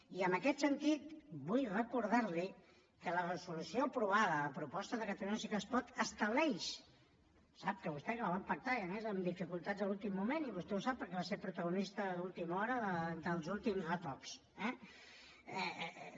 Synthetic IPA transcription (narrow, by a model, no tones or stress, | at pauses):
iənəkɛt̪sənt̪it̪bujrəkuɾð̞aɾli | kələrəzulusioəpɾuβaðələpɾupɔst̪əðəkət̪əluɲəsikəspɔt̪əst̪əβlɛjʃ | sap̚kəβust̪ɛkələβampək̚t̪ajəmɛzəmd̪ifikulˠt̪add͡zðəlulˠt̪imːumeniβust̪ɛusapːəɾkɛβaseɾpɾut̪əɣunist̪əðulˠt̪imɔɾəðəd̪əlˠzulˠt̪imzət̪ɔks | ɛ | ɛ